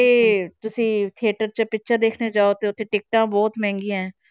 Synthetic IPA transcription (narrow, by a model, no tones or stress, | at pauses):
eːt̪ʊsĩːt̪ʰieːʈəɾt͡ʃəpɪtːʃʰəd̪eːkʰneːd͡ʒaːoːt̪eːʊt̪ʰːeːʈɪk̚ʈãːbɔːt̪mɛ̃ːŋɡijãːɛ̃ː